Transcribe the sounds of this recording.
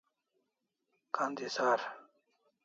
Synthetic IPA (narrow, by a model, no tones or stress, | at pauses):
kand̪isaːɾ